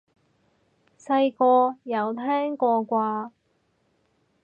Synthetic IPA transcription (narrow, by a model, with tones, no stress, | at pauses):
sɐ˧jkɔː˧jɐ˨wt̪ʰɛː˥ŋkɔː˧kʷaː˧